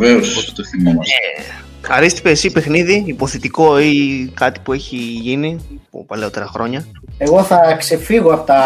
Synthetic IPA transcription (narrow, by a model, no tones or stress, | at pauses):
veosot̪et̪oθimɐnɐe | ɐɾist̪i̥pesipe̞xniðiːpo̞θet̪iko̞ikɐt̪i̥pue̞çiʝinipo̰pɐleo̞t̪e̞ɾɐxɾo̞ɲɐ | e̞ɣo̞θɐkse̞fiɣoɐpot̪ɐ